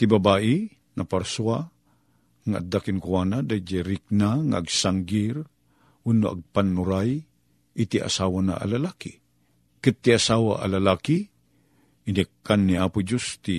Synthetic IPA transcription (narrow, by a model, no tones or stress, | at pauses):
t̪ibabaʔɪ | napaɾsua | ŋaʔa̰d̪akɪnkuanad̪ad͡ʒaɾik̚naŋa̰ːɡsaŋɡɪɾ | unːoʔa̰ɡ̚panːuɾaj | it̪iʔa̰sawana̰ʔa̰lalaki | kɨt̪ːiasawaʔa̰lalaki | inikːanːiaːpʊd͡ʒust̪i